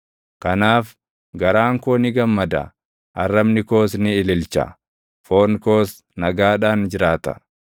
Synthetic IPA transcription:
kɐnaːf | ɡɐɾaːŋkoːnɪɡɐmːɐd̪ɐ̰ | ʔɐrːɐbnɪko̞ːs̬nɪːlɪlt͡ʃɐ̰ | foːnko̞ːs | nɐɡaːᶑaːnd͡ʒɪɾaːt̪ɐ̥̰

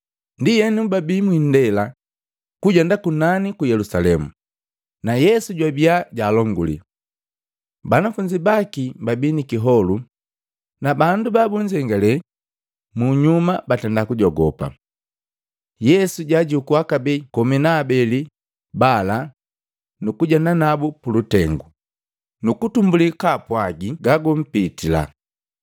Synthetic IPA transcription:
ndijɛnubabiːmwindɛla | kuɟɛndakunanikujɛlusalɛmṵ | najɛsuɟwabiaɟaːlɔŋɡṵlḭ | banafuɲd͡ʒibakibabiːnikiɦɔlu | nabandubabuɲd͡ʒɛŋɡalɛ | muɲumabatɛndakuɟɔɡɔpa̰ | jɛsuɟaɟukuakabɛkɔminaːbɛli | bala | nukuɟananabupulutɛŋɡu | nukutumbulikapwaɡiɡaɡum̩pitila̰

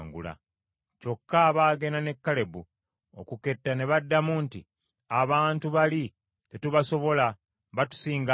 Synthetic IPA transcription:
ŋɡṵla̰ | co̞kːaβaːɡe̞nane̞kːale̞bu | o̰kuke̞tːane̞βadːamunti | aβaːntuβali | te̞tuβaso̞βo̞la | βatu̥siːŋɡa

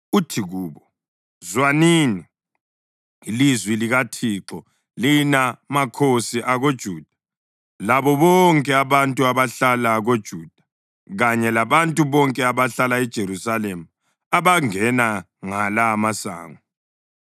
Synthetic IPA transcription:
utʰiɣuːβɔ | zwanini | ilizwiliɣatʰiǁɔ | linamakʰosiʔaɣod̥ʒ̥ʱuːd̥ʱḁ | laβɔβɔŋkʼɛaβantʼuaβaɬalaɣod̥ʒ̥ʱuːd̥ʱḁ | ɣaɲɛlaβantʼuβɔŋkʼɛaβaɬalaɛd̥ʒ̥ʱeɾusalemu | aβaŋɛna | ŋalamasa̰ːŋɔ

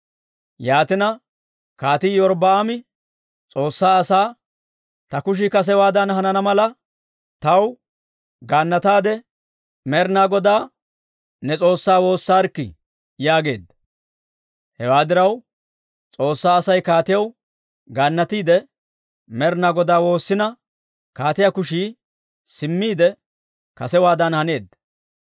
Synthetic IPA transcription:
jaːt̪ɪnɐ | kaːt̪iːjɔɾbɐamɪ | t͡sʼo̞ːsːaːɐsaː | t̪ɐkʊʃ̬ɪkɐs̬ɛwaːd̪ɐnhɐnɐnɐmɐlɐ | t̪ɐw | ɡaːnːɐt̪aːd̪ɛ | mɛɾnaːɡɔd̪aː | nɛt͡sʼo̞ːsːaːwo̞ːsːaːɾkːɪ̰ | jaːɡe̞ːd̪ːɐ | hɛwaːd̪ɪɾɐw | t͡sʼo̞ːsːaːɐsɐjkaːt̪ɪjɐw | ɡaːnːɐt̪iːd̪ɛ | mɛɾnaːɡɔd̪aːwo̞ːsːɪnɐ | kaːt̪ɪjɐkʊʃi | sɪmːiːd̪ɛ | kɐsɛwaːd̪ɐnhɐne̞ːd̪ːɐ

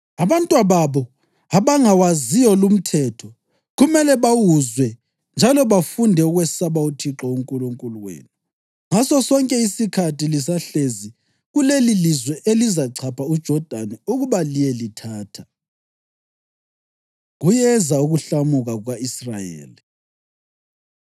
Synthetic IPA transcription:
aβantʼwaβaβɔ | aβaŋawazijɔlum̩tʰɛtʰɔ | ɣumɛlɛβawuzwɛ | nd͡ʒʱalɔβafundʱɛuɣwɛsaβautʰiǁɔuŋkʼuluŋkʼuluwḛːnu | ŋasɔsɔŋkʼɛisikʰatilisaɬezi | ɣulelilizwɛʔelizaǀʰapʰaud̥ʒ̥ʱɔd̥ʱanɛuɣuβalijɛlitʰaːtʰḁ | ɣujɛzauɣuɬamuɣaɣwaisra̰jḛːli

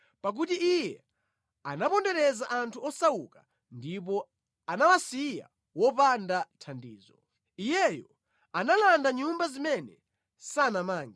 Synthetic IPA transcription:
pak̬ut̬iijɛ | anapɔndɛɾɛzaʔantʰuɔsawukḁ | ndip̬ɔ | anawasija̰ | wɔpandatʰandḭːzɔ | ijɛjɔ | analandaɲumbazimɛnɛ | sanamaːŋɡi

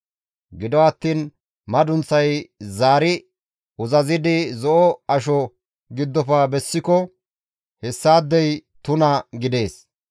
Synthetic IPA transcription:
ɡɪd̪ɔwɐt̪ːiːn | mɐd̪ʊnt͡sːɐjzaːɾɪ | ʊzɐzɪd̪ɪzɔʔɔɐʃ̬ɔ | ɡɪd̪ːɔfaːbɛsːɪkɔ | hɛsːaːd̪ːɛjt̪ʊnɐɡɪd̪e̞ːs

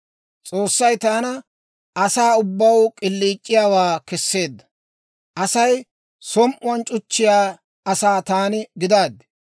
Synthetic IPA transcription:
t͡sʼoːsːɐjt̪aːnɐ | ʔɐsaːʊbːɐwkʼɪlːiːt͡ʃʼːɪjaːwaːkɛsːe̞ːd̪ːɐ̥ | ʔɐsɐj | sɔmʔʊɐnt͡ʃʼʊt͡ʃːɪjaː | ɐsaːt̪aːnɪɡɪd̪aːd̪ːɛ̥

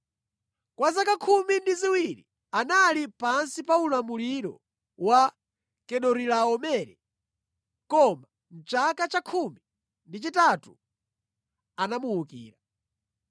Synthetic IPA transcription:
kwazakakʰumindiziwiɾḭ | analipansipaulamuliɾɔ̰ | wa | kɛɗɔɾilaɔmɛːɾɛ | kɔma | n̩t͡ʃakat͡ʃakʰumi | ndit͡ʃitatṵ | anamuukḭːɾa

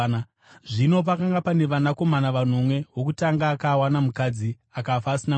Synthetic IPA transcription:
ʐino̞p̬akaŋɡapane̞ʋanako̞manaʋanomwe̞ɦo̞k̬utaŋɡaːkawanamukad͡zi | akafaːsina

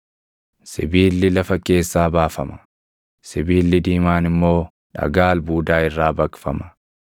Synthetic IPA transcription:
sɪ̰biːlːɪlɐfɐke̞ːsːaːbaːfɐmɐ̥ | sɪbiːlːɪd̪iːmaːnɪmːo̞ː | ᶑɐ̰ɡaːlbuːd̪aːɪrːaːbɐkfɐmɐ̥

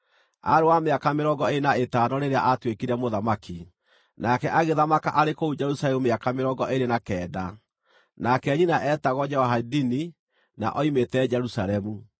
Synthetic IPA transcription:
a̰ɾewameakameɾɔɡɔenaetanɔɾeɾea̰ʔatwekiɾɛmoðamaki | nakɛʔaɣeðamaka̰ʔaɾekoud͡ʒɛɾusalɛmumeakameɾɔɡɔʔeɾenakɛːda | nakɛɲinaʔɛtaɣɔd͡ʒɛwaɦadini | na̰ʔɔimetɛd͡ʒɛɾusaɾɛmu

